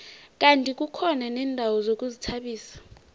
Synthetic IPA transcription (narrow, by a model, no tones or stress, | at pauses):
k̬ʼantʼik̬ʼukʰɔnanɛːndʱawɔzok̬ʼuzitʰaɓiːsḁ